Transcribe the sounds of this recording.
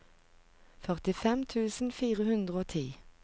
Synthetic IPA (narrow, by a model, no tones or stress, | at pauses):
fœʁt̪ɪfɛmt̪ʰʉːsn̩fiːʁəhʉnd̪ʁəoːt̪ʰiː